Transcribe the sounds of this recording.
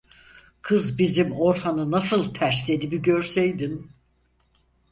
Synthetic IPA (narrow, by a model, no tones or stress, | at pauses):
kʰɯzbizimo̞ɾhanɯnasɯlˠt̪ʰæɾslʲe̞d̪ibiɟøɾsejd̪in